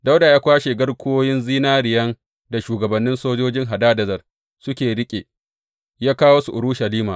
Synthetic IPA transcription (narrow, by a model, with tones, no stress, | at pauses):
da˦wdaː˨jaː˦kʷaː˦ʃe˨ɡɐ˦rkʷʰoː˦jɪ˦nziː˦naː˦ɾɪ˨jɐ˦ŋ | da˨ʃuː˨ɡɐ˨bɐ˨nːɪ˦nsoː˦d͡ʒoː˦d͡ʒɪ˦ŋɦa˨daː˦dɐ˨zɐ˨r | sʊ˦kʲeː˨ɽɪ˦kʲʼḛ˨ | jaː˦kaː˦woː˦su˨ʔʊ˨ɾʊ˦ʃɐ˨liː˦maː˨